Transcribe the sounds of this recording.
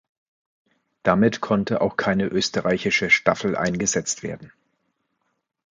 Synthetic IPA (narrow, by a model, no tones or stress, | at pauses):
d̥amɪtkʰɔntəʔa̰ʊxkʰaɪnəʔøːstəʁaɪçɪʃəʃta̰fl̩ʔa̰ɪnɡəzɛt͡stv̥ḛːɐdn̩